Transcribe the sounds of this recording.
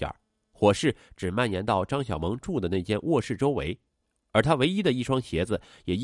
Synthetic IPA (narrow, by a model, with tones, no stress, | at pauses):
a̰˨˩˦ | xwɔ˨˩ʂɻ̩˥˩ʈ͡ʂɻ̩˨˩ma˥˩njɛ˧˥nt̪ɑ˥˩ʊʈ͡ʂɑ˥ŋɕ̬jɑ˨˩ʊmɤ˧˥ŋʈ͡ʂu˥˩d̪ə˩ne˥˩ɪt͡ɕjɛ˥˧nwʔɔ˥˧ʂɻ̩˥˩ʈ͡ʂo˥ʊwḛ˧˥ɪ | ə˞˧˥t̪ʰa˥we˧˥ɪi˥d̪ə˨i˥˩ʂwɑ˥ŋɕjɛ˧˥d͡zɹ̩˧ | jɛ˨˩˥